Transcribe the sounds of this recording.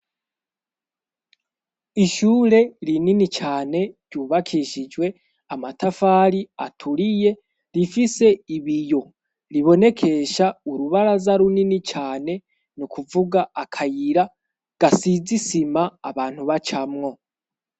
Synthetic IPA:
iʃuːɾe̞ɾininit͡ʃaːne̞ɾɟuːβakʰiʃid͡ʒwe̞ | amatafaːɾia̰tʰuɾije̞ | ɾifise̞iβijo̞ | ɾiβo̞ne̞kʰe̞ʃauɾuβaɾazaɾuninit͡ʃaːne̞ | nukuvuɡaakʰajiɾa | ɡ̥asizisimaːβaːn̥huβat͡ʃamŋo̞

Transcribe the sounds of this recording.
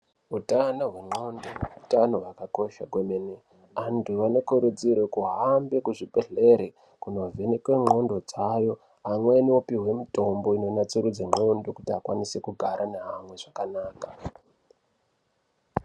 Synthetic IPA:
utanoɦwe̞ŋ͡ǃo̞ndoeutanowakako̞ʃaɡʱwemene | antʰuʋane̞koɾud͡ziɾwekuɦambekuʐipeɮe̞ɾe | kunovenekwe̞ŋ͡ǃo̞ndo̞d͡zajo̞ | ɦamweniopiwe̞mito̞mbo̞ino̞nat͡seɾud͡zeŋ͡ǃo̞ndo̞kutiakwanisekuɡʱaɾʔaneɦamwe̞ʐakanaːkḁ

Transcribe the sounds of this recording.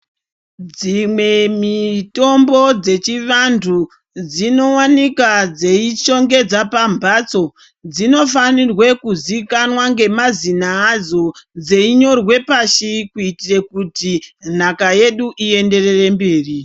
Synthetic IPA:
d͡zimwe̞mito̞mbo̞d͡ze̞t͡ʃiʋantʰu | d͡zino̞wanikad͡ze̞it͡ʃo̞ŋɡe̞d͡zapambʱaːt͡so̞ | d͡zino̞fanirwe̞kuzikanwaŋɡe̞mazinaːzo̞d͡zeiɲo̞rwe̞paʃikuitirekutin̤akaje̞ɗuʔie̞nde̞re̞rembeːri

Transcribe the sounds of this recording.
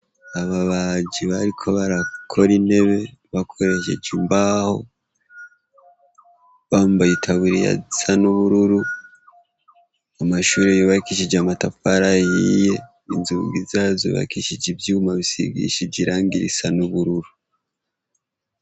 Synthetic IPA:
aβaβaɟiβaɾikʰo̞βaɾakʰo̞ɾine̞βe̞βakʰo̞ɾe̞ʃḛɟimbaːho̰ | βaːmbajitʰaβuɾija̰zisanuβuɾuɾu | amaʃuːɾejoβaikiʃid͡ʒamatafaɾajhije̞ | inzuːmɡizazo̰βa̰ikiʃid͡ʒibjiumaβisḭɡḭʃibɟiɾaːŋɡiɾḭsanuβuɾuɾu

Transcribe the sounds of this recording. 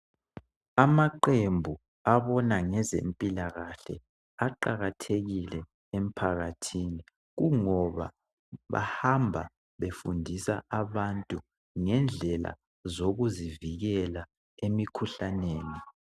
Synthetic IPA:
amaǃembʱu | aβɔnaŋɛzḛmpʼilaɣaɬɛ̰ | aǃaɣatʰeɣilɛ | em̩pʰaɣatʰini | ɣuŋɔβa̰ | βa̰hambʱa̰ | βefundʱisaʔaβantʼu | ŋɛnd͡ɮʱɛla̰ | zoɣuziviɣɛla | emikʰuɬaneːni

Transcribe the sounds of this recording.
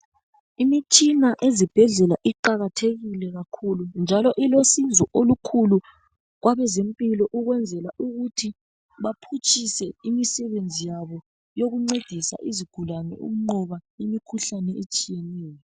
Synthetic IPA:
imit͡ʃʼinaʔezib̥ʱɛɮɛlaʔiǃaɣatʰeɣilɛɣakʰulund͡ʒʱalɔʔilosind͡zʱɔʔolukʰulu | ɣwʔaβɛzempʼilɔʔuɣwɛnd͡zʱɛlaʔuɣutʰi | βapʰut͡ʃʼisɛimisɛβend͡zʱijaβɔ | joɣuŋ͡ǀed̥ʱisa̰ʔiziɡ̥ʱulanɛ̰ṵm̩ŋ͡ǃɔβaimikʰuɬanɛet͡ʃʼijɛnɛːjɔ

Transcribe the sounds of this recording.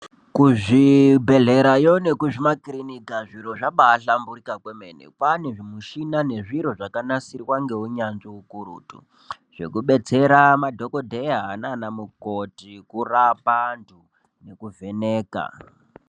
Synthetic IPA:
kuʐibʱe̞ɮe̞ɾajone̞kuʐimakrinikaʐiɾo̞ʐaɓaɬambuɾikakwemenḛpaneʐimuʃinane̞ʐiɾo̞ʐakanasirwaŋɡe̞uɲanʐoukuɾṵːtṵ | ʐ̥e̞̰kuɓe̞t͡se̞ɾamadʱo̞kodʱejaɦananamukotikurapantʰu | ne̞kuvʱe̞neːka̰

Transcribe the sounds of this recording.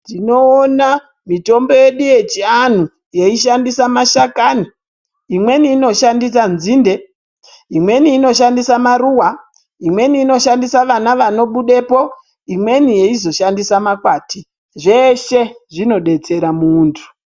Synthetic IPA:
tino̞ːna | mito̞mbo̞je̞ɗuje̞t͡ʃian̤u | je̞iʃandisamaʃakani | imwe̞niːno̞ʃandis̬anzinde̞ | imwe̞niːno̞ʃ̬andisamaruwa | imwe̞niːno̞ʃandisaʋanaʋano̞ɓuɗe̞po̞ | imwe̞nije̞izo̞ʃandisamakwaːti | ʐe̞ʃe̞ʐino̞ɗe̞t͡se̞ɾamuːntʰu̥

